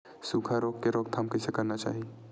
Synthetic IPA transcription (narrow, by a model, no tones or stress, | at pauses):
suːkʰaɾoːkkeɾoːk̚t̪ʰamkɐsekɐɾnat͡ʃa̰ːɦie